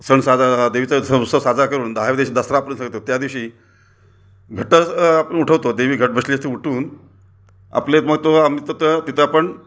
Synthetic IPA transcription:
səɳsad͡zad̪eʋit͡sasəusəsad͡zakəɾuːnd̪aɦaʋed̪eɕid̪əsɾapəɾənsaŋɡət̪ot̪jad̪iʋɕiː | ɡʱəʈət͡sapəuʈʰəʋt̪od̪eʋiːɡʱəʈ̚bəɕliəst̪ʰeuʈʰuːn | a̰plet̪məɡt̪oamit̪ət̪ət̪it̪ʰəapəɳ

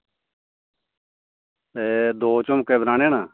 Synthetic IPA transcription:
eːd̪oːt͡ʃomkeːbɾaːnẽːnaː

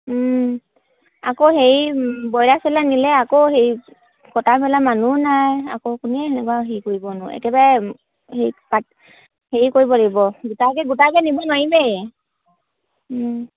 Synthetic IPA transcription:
akoheɹibɔjɹasɛlanilɛakohej | kɔtapɛlamanunaja̰kokunɛɛnɛkwaɦejkoɹibɔnʊɛ̰kɛbaɹɛ | hejpa | heikoɹibɔlibɔɡutakɛɡutakɛnibɔnɔɹibɛjɛ

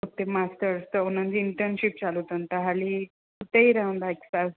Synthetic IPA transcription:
ut̪emasʈəɾst̪əonãnd͡ziɳʈənɕip̚t͡ɕalut̪ənt̪əɦali | kʰut̪eiɾaũnd̪ajksa

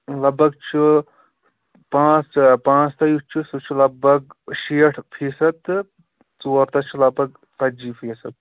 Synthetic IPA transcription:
lɐbɐɡ̚t͡ʃʰi | pãːt͡spãːt͡st̪ɐjut͡ʃʰisut͡ʃʰilɐbɐɡʃiːʈʰfʰiːsɐt̪ | t͡soːɾt̪ɐt͡ʃʰilɐbɐɡ̚ | t̪ɐd͡ʒiːpʰiːsɐt̪̚

